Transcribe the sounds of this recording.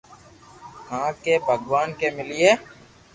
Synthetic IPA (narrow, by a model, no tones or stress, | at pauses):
hãːkebʱəɡwaːnkemɪlieː